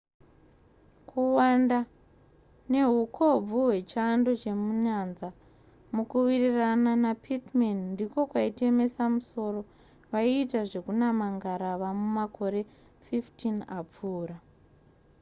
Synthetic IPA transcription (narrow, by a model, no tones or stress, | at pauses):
kuwanda | ne̞ɦukʰo̞b͡vuɦwe̞t͡ʃando̞t͡ʃe̞muɲanza | mukuwirirananapʰitmenndiko̞kwaite̞me̞samuso̞ro̞ | ʋaiːtaʐe̞kunamaŋɡaɾaʋamumako̞ɾe̞ | fiftinap͡fuːra